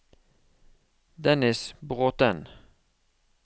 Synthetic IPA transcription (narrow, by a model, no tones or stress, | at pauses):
d̪ɛnɪsbʁoːt̪ən